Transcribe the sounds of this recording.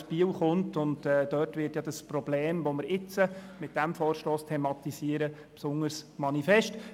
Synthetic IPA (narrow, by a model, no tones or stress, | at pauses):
piːəlχʊntʊntɛːd̥œtʋɪːtjɑd̥əspɾɔbleːmʋoməɾɪt͡səmɪt̚d̥æmfɔːɾʃtoːstʰɛemɑt̪isiːəɾə | psʊŋəɾsmɑnifɛʃt